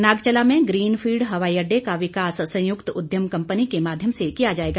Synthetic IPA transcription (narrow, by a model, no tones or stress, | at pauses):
naːɡt͡ʃəlamẽɡɾiːnfʰiːɖɦɐʋaːiɐɖːekaʋɪkaːssɐ̃jʊkt̪ʊd̪ʱjəmkɐ̃mpənikemaːd̪ʱjəmsekijad͡ʒaːeːɡa